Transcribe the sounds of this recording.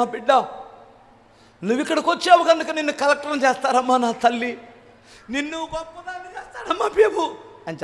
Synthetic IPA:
aːpiɖːɐ | nuʋikːɐɽɐkot͡ʃːeːʋɐkɐnd̪ɐkɐninːukɐlɐk̚ʈɐɾnt͡ʃeːst̪aːɾɐmːaːnaːt̪ɐlːi | ninːubɐpːud̪aːnit͡ʃeːst̪aːɾɐmːaːbeːbuɐnt͡ʃ

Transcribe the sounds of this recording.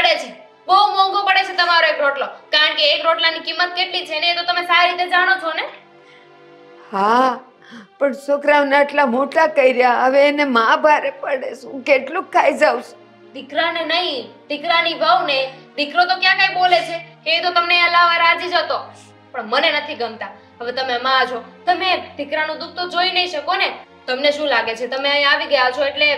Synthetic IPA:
pəɽet͡ʃʰe | bəwmɔ̃ŋɡopəɽet͡ʃʰet̪əmaɾoekɾoʈlokaɾəɳkeːkɾoʈlanikimːət̪̚keʈlit͡ʃʰeneet̪ot̪əmesaɾiɾit̪ed͡ʒaɽ̃ot͡ʃʰone | ha | pəɳsokɾaʋnaʈlamoʈakəiɾjaəʋeːnemãbʱaɾepəɽeʃũkeʈlũkʰːaid͡ʒawʃũ̥ | d̪ɪkɾanenəɦĩd̪ɪkɾaniʋəʋned̪ɪkɾot̪okjãkãĩbolet͡ʃʰekeit̪ot̪əmneəlaʋaɾad͡ʒid͡ʒət̪o | pəɳmənenət̪ʰiɡəmt̪a | ɦəʋet̪əmemãad͡ʒʰot̪əmed̪̥ʱɪkɾanũd̪uk̚ʰt̪od͡ʒoinəĩʃəkone | t̪əmneʃũlaɡet͡ʃʰet̪əmeəjãaʋiɡəjat͡ʃʰoeʈle

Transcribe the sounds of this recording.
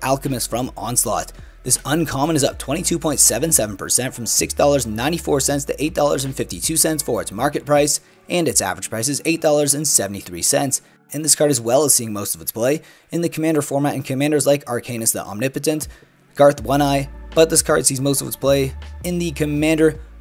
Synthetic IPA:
ʔælˠkɨmɨsfɹʌ̃mɑ̃nslɑ̰t̪̚ | ðɪsə̃nkʰɑmə̃nɨzʌp̚tʰw̥ɛ̃ɾ̃itʰʉpʰɔ̃ɪ̃ntsɛvɨ̃nsɛṽn̩pʰə̰˞sɛ̃ntfɹʌ̃msɪksd̥ɔlˠə˞znːãɪ̃ñifɔ̰ɹsɛ̃ntstʰɨ̰ʔeɪt̚d̥ɔlˠə̰˞zɨ̃nfɪftitʰʉsɛ̃ntsfə˞ɨtsmɑɹkɨt̚pʰɹ̥aɪs | ʔɨ̃nɨtsæ̰vɹɨd̥pɹaɪsɨzeɪt̚d̥ɔlˠə˞zɨ̃nsɛvn̩tiθɹḭsɛ̰̃nts | ɨ̃nðɪskʰɑɹɾɨzwɛlˠəz̥siɪ̃ŋmoʊstʌvətspʰl̥eɪ | ɨ̃nðɨkʰəmæ̃ndə˞fɔɹmæɾn̩kʰɨmæ̃ndə˞zlaɪkʰɑɹkʰẽɪ̃nɨsðḭʔɑ̰mnɪpɨɾɨ̃nt | ɡ̥ɑɹθwʌ̃ñaɪb̥ʌt̪̚ðɪskʰɑɹd̥sizmoʊstʌvətspʰl̥eɪɨ̃nðɨkʰɨmæ̃ndə˞

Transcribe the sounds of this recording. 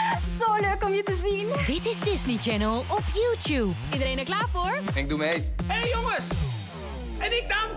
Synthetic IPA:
zoːløːkɔmjətəzindɪtɪzdɪznit͡ʃɛnəlˠʔɔpjuːtjuːbidəɾejnɛklaːfoɹɪk̚d̪umejɦejjoŋəs | ɛnɪk̚daŋ

